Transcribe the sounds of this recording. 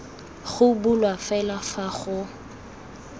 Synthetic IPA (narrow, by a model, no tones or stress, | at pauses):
χʊbʊlwafɛlafaχʊ